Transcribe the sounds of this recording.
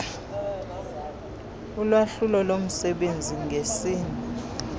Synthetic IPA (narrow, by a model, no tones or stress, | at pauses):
ulwaɬulɔlom̩sɛɓend͡zʱiŋɡʱesiːni